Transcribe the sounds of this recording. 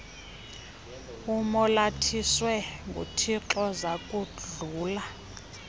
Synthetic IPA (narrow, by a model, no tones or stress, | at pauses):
umɔlatʰiswɛŋɡʱṵtʰiǁɔzakʼud͡ɮuːla